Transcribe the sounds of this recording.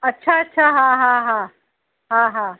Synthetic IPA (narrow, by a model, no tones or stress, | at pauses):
ɐtːʃʰaɐtːɕʰaɦãɦãɦã | ɦãɦãː